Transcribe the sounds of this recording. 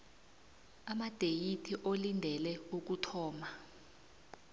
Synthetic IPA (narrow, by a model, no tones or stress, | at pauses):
amad̥ʱejitʰiʔolindʱɛlɛuk̬utʰɔːma